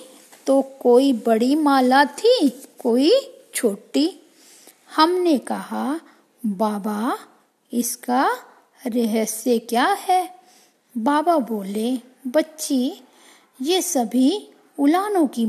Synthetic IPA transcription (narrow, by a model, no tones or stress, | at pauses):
t̪okoːibɐɽimaːlat̪ʰikoːit͡ʃʰoːʈi | hɐmnekɐɦa | baːba | ɪska | ɾɛɦɛsekjaːɦɛː | baːbaboːle | bɐtːʃi | jesɐbʱi | ʊlaːnõki